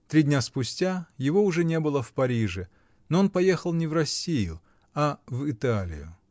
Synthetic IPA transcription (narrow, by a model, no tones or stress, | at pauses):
t̪ɾʲidʲnʲaspʊsʲtʲajɪvo̞ʊʐɛnʲe̞bɨlˠəfpɐɾʲiʐɨ | noonpɐje̞xəlˠnʲɪvrɐsʲːijʊ̰ | avɪt̪alʲɪ̰jʊ